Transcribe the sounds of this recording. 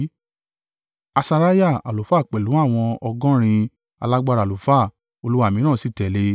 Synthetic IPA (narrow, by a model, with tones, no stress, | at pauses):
a˧sa˧ɾa˦ja˦˨a̰˨lo˨˦fa˦˨k͡pɛ˨lu˨˦a˦˨w̃ɔ̃˧ɔ˧ɡɔ̃˦ɾ̃ĩ˧ | a˧la˦ɡ͡ba˧ɾa˨lo˨fa˦˨ | o˧lu˦wa˦˨mĩ˨˦nãː˦˨si˦˨tɛ˨le˧˦